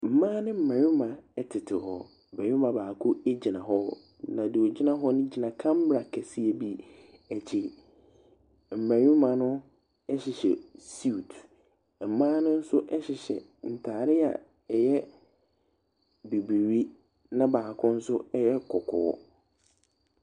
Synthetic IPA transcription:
m̩˨mãː˦nɪ̃˦m̩˨mã˨ɾʊ˦mã˨ɛ˦tʰɪ˨tʰɪ˨ɦɔ˦ | bɛ˨ɾʊ˦mã˨baː˨kʰʊ˦e˦d͡ʑi˨nã˨ɦɔ˦ | nã˨dɪ˨o˨d͡ʑi˦nã˦ɦɔ˦nʊ̃˦d͡ʑi˨nã˨kʰã˦m̩˦bɾa˨kʰæ˨si˦ɛ˨bi˦ | æ˨t͡ɕʰɪ˨ | m̩˨mæ̃˨ɾʊ˦mã˨nʊ̃˦ | ɛ˦ɕɪ˨ɕɛ̰˨si˦u˨tʰ | m̩˨mãː˦nʊ̃˦n̩˦sʊ˦ʔɛ˦ɕɪ˨ɕɛ̰˨ | n̩˨tʰaː˨ɾɪ˦a̰˨ | ɛ˨jɛ˦ | be˨bi˨ɾi˦ | nã˦baː˨kʰʊ̃˦n̩˦sʊ˦ɛ˦jɛ˦kʰɔ˨kʰɔ̰ː˨˦

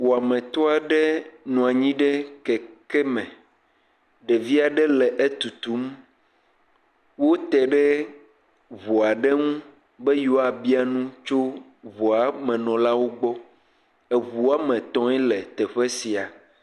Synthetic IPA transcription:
wo˨a˨mɛ̃˨t̪ɔ˦a˨ɖɛ˦nũ˨a˨ɲĩ˦ɖɛ˦kɛ˨kɛ˦mɛ̃˨ | ɖe˨vi˦a˨ɖɛ˦lɛ˨ʔe˦t̪u˨t̪u˦m | wo˦t̪ɛ˨ɖɛ˦ | vo˨a˨ɖɛ˦ŋũ˦ | bɛ˦jo˦a˨bi˦a˦nũ˦t͡ʃo˦ | vo˨a˨mɛ̃˨nɔ̃˨la˦wo˦ɡ͡bɔ˦ | ɛ˨βu˨˦a˦mɛ̃˨t̪ɔ̃˦ɛ˦lɛ˨t̪ɛ˨ɸɛ˦si˨a˨

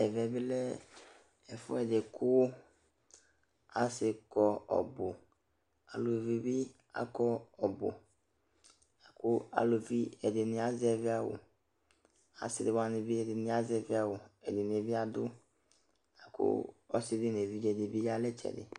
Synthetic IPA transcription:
ɛ˨vɛ˨bɪ˦lɛ˦ | ɛ˨fʊ̰˦ɛ˨dɪ˨kʰʊ˦ | a˦sɪ˨kɔ˦ɔ̰˨bʊ˨ | a˨lo˨vi˨bɪ˦ | a̰˦kɔ˦ɔ˨bʊ̰˨ | a˨kʊ˦a̰˨lo˨vi˦ɛ˨dɪ˨nɪ̃˨a˦zɪ˦ɛ˨vɪ˦a˨wʊ̰˨ | a̰˨sɪ˨dɪ˨wa˨nɪ˨bɪ˦ɛ˨dɪ˨nɪ̃˨˦a˦zɪ˨ɛ˨vɪ˦a˨wʊ˨ɛ˨dɪ˨n˨e˨vi˦a˨d̪ʊ˦ | na˨kʰʊ̰˦ɔ̰˦sɪ˦dɪ˦n˨e˨vi˦d͡ʒɛ˨de˨bi˦ja˦lɛ˦t͡ʃɛ̰˨dɪ̰˨

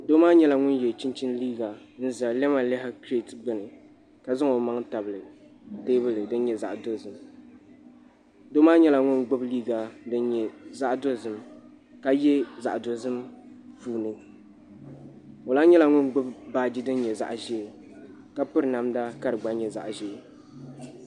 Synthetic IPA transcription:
do˦maː˦ɲɛ˦la˨ŋʊ˦njɛ˨t͡ʃi˦nt͡ʃi˦n˦liː˦ɡa˨n̩˦za˨lɛ˦ma˨lɛ˦ɦɪ˦kɾe˦tɡ͡bɨ˦nɨ˨ | ka˨zɨ˦ŋo˨ma˦ŋta˨bɨ˨lɨ˨ | de˦bɨ˦lɨ˨dɨ˦n˦ɲɛ˨za˨ʔdo˦zɨ˦m | do˦maː˦ɲɛ˦la˨ŋʊ˦nɡ͡bʊ˦bliː˦ɡa˨dɨ˦nɲɛ˨za˦ʔdo˦zɨ˨m | ka˦jɛ˦za̰˨ʔdo˨zɨ˦mfuː˦nɨ˨˦ | o˨laː˦ɲɛ˦la˨ŋʊ˦nɡ͡bʊ˦bbaː˦d͡ʒi˦dɨ˦n˦ɲɛ˨za̰˨ʔʒe˦˨ | ka˦pʊ˦ɾɨ˨na˨mda˦ka˦ɾɨ˨ɡ͡ba˦ɲɛ˨za̰˨ʔʒe˨˦

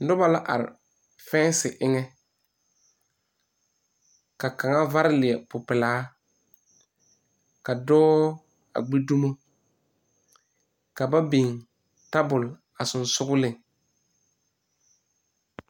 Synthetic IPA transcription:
n̩˦dʊ˦ba˦la˦ʔa̰˨ɾɪ̰˨ | fɛ˦sɪ˨ʔɪ˦ŋɛ˦ | ka˨ka˨ŋa˦va˦ɾɪ˦lɪ˨ɛ˨pʊ˨pɪ˨laː˨˦ | ka˨dɔː˦ | a̰˨ɡ͡bi˦du˦mo˦ | ka˨ba˦bi˨ŋ | ta˦bʊ˨l | a˨sʊ˨nsʊ˦ɡʊ˦lɪ˨ŋ

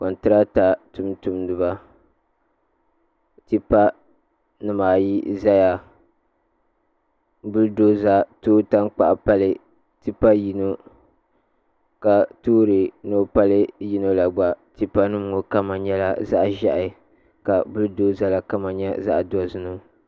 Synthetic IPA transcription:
kɔ˨ntɨ˦ɾa˦ta˨tʊ˦mtu˨m˦dɨ˨ba˦ | ti˦pa˦ | nɨ˨maː˨ji˦za˦ja˨ | bʊ˦ldoː˦za˦toː˦ta˦ŋk͡pa˨ʔpa˦lɨ˨ | ti˦pa˦ji˦no˦ | ka˨toː˦ɾɨ˨no˦pa˦lɨ˦ji˦no˦la˨ɡ͡ba˨ti˦pa˦nɨ˦m˨ŋo˨ka˦ma˨ɲɛ˦la˦za˦ʔʒa̰˨ʔɪ˨ | ka˨bʊ˦ldoː˦za˦la˦ka˦ma˨ɲɛ˦za̰˦ʔdɔ˦zɨ˦no˦

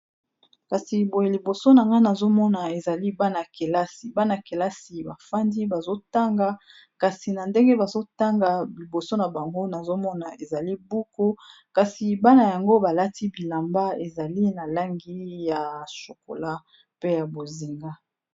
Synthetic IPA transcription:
ka˨si˨bo˨je˨li˨bo˨so˦na˨ŋɡa˦na˨zo˦mɔ˦na˨e˨za˨li˦ba˦na˨ke˨la˦si˨ba˦na˨ke˨la˦si˨ba˨fa˦ndi˦ba˨zo˦ta˦ŋɡa˦ | ka˨si˨na˨nde˦ŋɡe˦ba˨zo˦ta˦ŋɡa˨bi˨bo˨so˦na˨ba˨ŋɡo˦na˨zo˦mɔ˦na˨e˨za˨li˦bu˦ko˦ | ka˨si˨ba˦na˨ja˨ŋɡo˦ba˨la˦ti˦bi˨la˨mba˦e˨za˨li˦na˨la˦ŋɡi˦ja˨ʃo˨ko̰˨la˦ | pe˦ja˨bo˨zi˨ŋɡa˦

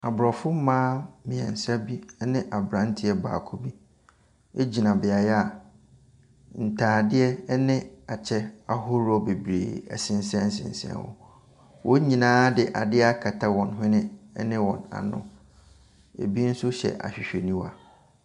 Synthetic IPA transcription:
a˨bɾɔ˨fʊ˦m˦mãː˦mɪ̃˨ɛ̰̃˨n˨sa˦bi˦nɪ̃˦ʔa˨bɾã˨˦n˦tʰɪ˦ɛ˦ba̰ː˨kʰo˦bi˦ | e˦d͡ʑi˨nã˨bɪ˨a˨jɛ˦a˦˨ | n̩˨tʰaː˨dɪ˦ɛ˦nɪ̃˦a˨t͡ɕʰɛ˦a˦ɦʊ˦ɾɔ˦be˨bɾḛː˨æ̰˨sɪ̃˨n˦sɛ̃˦n̩˦sɪ̰̃˨n˨sɛ̰̃˦wʊ̰˦ | wʔɔ˦ɲĩ˨nãː˦dɪ˨ʔa˨dɪ˦a˦kʰa˨tʰa˦wɔ̃˨nɦʊ̃˦nɪ̃˦nɪ̃˦wɔ̃˨na̰˨nʊ̰̃˨ | ḛ˨bi˦n̩˦sʊ˦ɕɛ̰˨ʔa̰˨ɕᶣɪ˨ɕᶣe˨nĩ˦wa̰˨

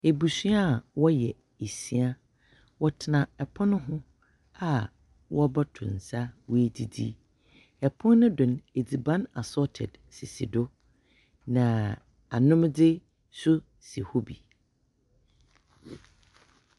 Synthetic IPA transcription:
e˨bu˨si˦a˦˨wɔ˦jɛ˨ | e˨si˦a˦ | wɔ˦tʰɪ˨nã˨ɛ˨pʰɔ̃˦nʊ̃˦ɦʊ̃˦ | a˨ | wɔ˦bɔ˦tʰʊ̃˨n̩˨sa˦we˦di˨dḭ˦ | ɛ˨pʰɔ̃˦nː˦ʊ̃˦dʊ̃˨ne˨d͡zi˨bã˦na˨sɔ˦tʰɛ˨d | sɪ˨sḭ˨dʊ˦ | nã˨ | a˨nʊ̃˦mdɪ˦ | sʊ˦ | si˨ho˦bi˨

